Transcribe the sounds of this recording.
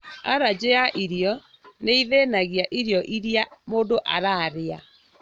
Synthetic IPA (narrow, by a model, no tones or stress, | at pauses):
a̰ɾad͡ʑeaʔiɾjɔ | neiðenaɣiaʔiɾjɔʔiɾjamoːdoʔaɾaɾea̰